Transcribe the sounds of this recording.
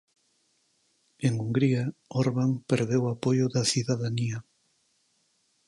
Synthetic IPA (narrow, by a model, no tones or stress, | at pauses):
eŋuŋɡɾiɐoɾβaŋpeɾðewapojʊðɐθiðaðaniɐ